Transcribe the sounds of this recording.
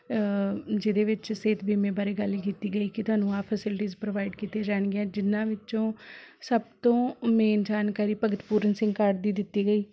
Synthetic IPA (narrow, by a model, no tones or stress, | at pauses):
d͡ʒɪd̪eːʋɪt͡ʃseːt̪biːmẽːbəɾeːɡəlikiːt̪iːɡəiːkɪt̪ʊɦaːnũːaːpʰəsɪlʈiːzpɾoʋaːɪɖkiːt̪eːd͡ʒaːɳɡeɛ̃ːd͡ʒɪnːãːʋɪt͡ʃõːsəb̚t̪õːmɛ̃ːnd͡ʒaːnkaːɾiːpəɡət̪puːɾənsɪ̃ŋɡkəʈd̪iːd̪ɪt̪ːiːɡəiː